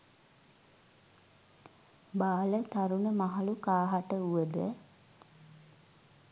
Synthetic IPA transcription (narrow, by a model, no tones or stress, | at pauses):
baːlət̪aɾunəmaɦalukaːɦaʈəuʋəd̪ə̰